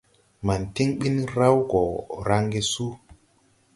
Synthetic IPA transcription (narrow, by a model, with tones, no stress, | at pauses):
ma˨nti˦ŋɓi˦nɾa˦wɡɔ˨ɾa˦ŋɡe˦su˦